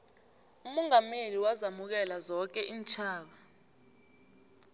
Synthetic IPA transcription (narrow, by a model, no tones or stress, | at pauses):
umɔŋameliwazamuk̬ɛlazɔk̬ɛʔiːnt͡ʃʰaːɓa